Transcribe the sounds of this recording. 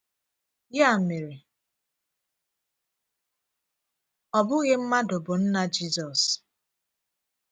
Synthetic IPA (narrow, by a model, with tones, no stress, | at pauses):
ja˦˨me˨ɾe˨ | ɔ˨bʊ˦ɣɪ˦m̩˦ma˦dʊ˨bʊ˨n̩˦na˦d͡ʒi˦zɔ˨s